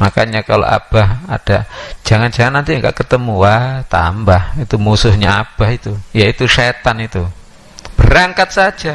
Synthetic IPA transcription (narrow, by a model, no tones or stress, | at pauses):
makaɲakalo̰ʔa̰b̥aha̰d̥ḁd͡ʒ̥aŋand͡ʒaŋanːant̪ijaŋɡa̰ʔkət̪əmuat̪ambahit̪umusʊhɲaab̥ahit̪ujait̪uʃet̪anit̪u | b̥əɾaŋkat̪̚sḁd͡ʒ̥a